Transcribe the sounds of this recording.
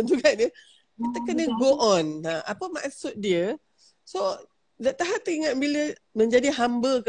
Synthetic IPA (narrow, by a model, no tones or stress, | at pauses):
ənd͡ʒuɡaʔdə | kit̪əkənəɡoʔɔ̃naʔapəma̰ksʊt̪̚diə | so | daʔt̪aɦat̪iŋat̪̚bilə | mə̃ɲd͡ʒadiɦambək